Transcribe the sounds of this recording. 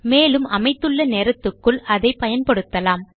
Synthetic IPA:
meːlɯmɐmɐɪt̪ːɯɭːɐneːɾɐt̪ːɯkːɯɭʔɐðɐɪpːɐjɐnpɐɽɯt̪ːɐlaːm

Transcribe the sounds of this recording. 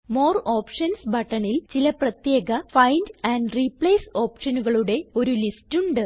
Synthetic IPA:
moːroːpʂɐnsbʱɐʈːɐɳilt͡ɕilɐprɐt̪je̞ːɣɐfɐjndɐːɳɖripɭeːsoːpʂɐnuɣɐɭuɽe̞o̞ɾulistuɳɖɨ

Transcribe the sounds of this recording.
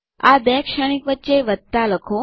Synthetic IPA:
a̰b̪ɛkʃəɽ̃ikʋətːʃeʋət̪ːaləkʰo

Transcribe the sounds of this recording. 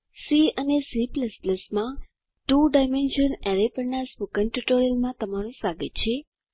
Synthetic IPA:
siənesipləspləsmã | ʈuɖajmenʃəneɾepəɾnaspukənʈuʈoɾiəlmãt̪əmaɾũsaɡət̪ːt͡ʃʰe

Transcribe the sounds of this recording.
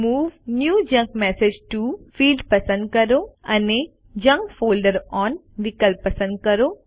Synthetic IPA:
muːʋnjuːd͡ʒɐ̃ŋkmɛsed͡ʒʈufiːlɖpɐsə̃nd̪̚kɐɾoɐne | d͡ʒɐ̃ŋkfoːlɖəɾɔːn | ʋɪkəlpːɐsə̃nɖ̚kɐɾoː

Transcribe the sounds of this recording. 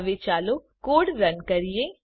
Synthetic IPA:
ʋet͡ʃaːlokoːɽɾənkɐɾijẽ

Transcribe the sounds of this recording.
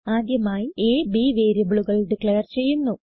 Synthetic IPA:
aːd̪jɐmaːjieːbiːʋeːɾjɐbiɭuɣɐɭɖɨkɭejɐrt͡ɕe̞jːunːu

